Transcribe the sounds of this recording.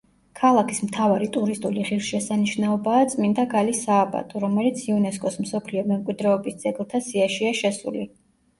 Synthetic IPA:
kʰalˠakʰismt̪ʰavaɾit̪ʼuɾist̪ʼuliʁiɾʃɛsaniʃnaɔbaːt̪sʼmind̪aɡalisaːba̰t̪ʼʰɔɾɔmɛlit̪sʰiunɛskʼɔsmsɔpʰliɔmɛmkʼwid̪ɾɛɔbisd̪z̥ɛɡlˠt̪ʰasiaʃiaʃɛsṵli

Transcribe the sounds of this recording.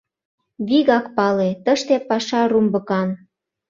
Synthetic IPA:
βiɣɑkpɑlet̪əʃt̪epɑʃɑrumbə̆kɑn

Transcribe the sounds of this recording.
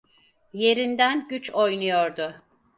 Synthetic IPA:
je̞ɾind̪ænɟyt͡ʃʰo̞jnujoɾd̪ʊ

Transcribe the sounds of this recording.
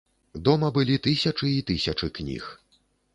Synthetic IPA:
d̪ɔmɐbɨlʲit̪ɨsʲɐt͡ʂɨit̪ɨsʲɐt͡ʂɨknʲḭx

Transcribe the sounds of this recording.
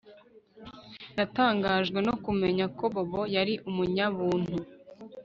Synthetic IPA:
nataːŋɡaːʒɡwe̞no̞kume̞ɲako̞βoβo̞jaɾiʔumuɲaβuːn̥hu

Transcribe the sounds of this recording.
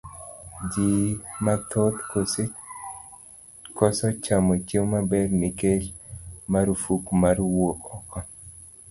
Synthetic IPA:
d͡ʒimat̪ʰot̪ko | kɔsɔt͡ʃamot͡ʃewmabɛrnikelmaɾufukmaɾwokɔkɔ

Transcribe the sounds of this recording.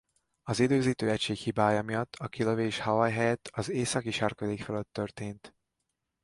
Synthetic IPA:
ɒzid̪øːziːt̪øːɛcʃeːkhibaːjɒmijɒt̪ːɒkiløveːʃhɒvɒjɦɛjɛt̪ʰɒzeːsɒkiʃɛrkøleːkfɛløt̪ːø̞rt̪eːnt̪

